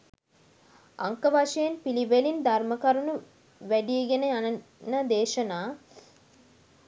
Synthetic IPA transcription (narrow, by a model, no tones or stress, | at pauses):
a̰ŋkəʋaʂejenpiliʋelind̪ʱɐrməkɐɾunu | ʋæɖijeɡeneanɐ | nɐd̪eːʃɐnaː